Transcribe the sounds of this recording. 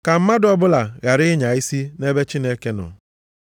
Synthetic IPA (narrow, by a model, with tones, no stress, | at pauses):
ka˨m̩˦ma˦dɔ˦bʊ˦la˨ɣa˨ɾɪ˦ɲa˨i˦si˦ne˦be˦t͡ʃi˦ne˦ke˦nʊ̰˨